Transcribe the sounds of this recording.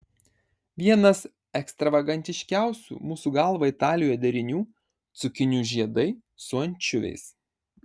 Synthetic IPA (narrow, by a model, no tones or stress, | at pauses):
ʋʲiɛnɐs | ɛkst̪ɾɐʋɐɡɐnʲt̪ʲɪʃʲkʲæˑʊsʲṵːmuːsuːɡɐlˠʋɐɪt̪ɑːlʲɪjojd̪ʲɛɾʲɪnʲuː | t̪sʊkʲɪnʲuːʒʲiɛd̪ɐɪ | sʊɐnʲt͡ʃʲʊʋʲɛ̰ɪs